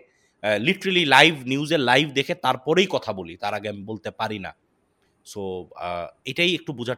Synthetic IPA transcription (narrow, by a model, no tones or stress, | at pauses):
liʈoɾalilajbʱniuzeɾlajbʱd̪ekʰet̪aɾpɔɾejkɔt̪ʰabolit̪aɾaɡɛmbolt̪epaɾina̰ | so | ejʈajek̚ʈubud͡ʑʱa